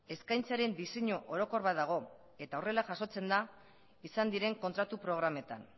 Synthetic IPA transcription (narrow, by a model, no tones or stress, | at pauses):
e̞skajnt͡saɾe̞nd̪ise̞ɲoʔoɾo̞ko̞ɾβaðaɣ̞o̞ | e̞t̪aore̞laʝaso̞t͡se̞nd̪a | isand̪iɾe̞ŋkont̪ɾat̪upɾo̞ɣ̞ɾame̞t̪an